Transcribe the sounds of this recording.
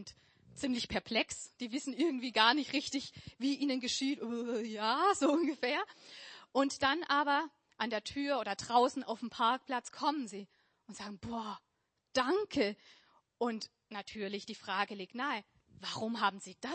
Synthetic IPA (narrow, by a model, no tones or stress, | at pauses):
nt | t͡sɪmlɪçpʰɛɐpʰl̥ɛksd̥iːvɪsn̩ʔɪɐɡŋ̩tv̥iːɡaːɐnɪçtʁɪçtɪçviːʔiːnənɡəʃiːtʔojaːzoːʔʊnɡəfeːɐʔʊntd̥anʔaːbɐ | ʔandeːɐtʰyːɐʔoːdɐdʁaʊsn̩a̰ʊfm̩pʰaɐk̚pl̥at͡skʰɔmənziː | ʔʊntz̥aːɡŋ̩b̥oːɐ | d̥aŋkʰə | ʔʊnt | natʰyːɐlɪçd̥iːfʁ̥aːɡəliːk̚tnaɪɪ | vaʁʊmɦaːbm̩ziːd̥a